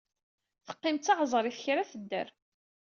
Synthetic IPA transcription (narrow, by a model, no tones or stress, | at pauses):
θə̥qːɪmt̪ːɑʕzˤɾˤiθçɾaθəd̪ːə̰ɾ